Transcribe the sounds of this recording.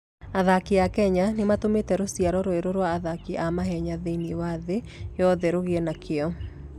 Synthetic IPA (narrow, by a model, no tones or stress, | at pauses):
aðakiakɛɲanematometɛɾosiaɾɔɾoeɾoɾwaːðakiʔamaɦɛɲaðeiniwaðe | jɔðɛɾoɣeɛnakʰeɔ